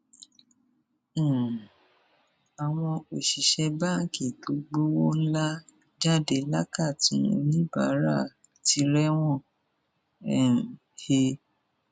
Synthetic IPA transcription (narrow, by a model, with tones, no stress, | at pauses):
a˨w̃ɔ̃˧o˨ʃi˨ʃɛ˧ba˦ŋ̩˨ki˦˨to˨˦ɡ͡bo˦wo˦n̩˦la˦ | d͡ʒa˦de˨˦la˦ka˦˨tĩ˨˦o˧nĩ˦ba˨˦ɾa˦˨ | ti˧ɾɛ˦w̃ɔ̃˦˨ | ɛ˨ | he˧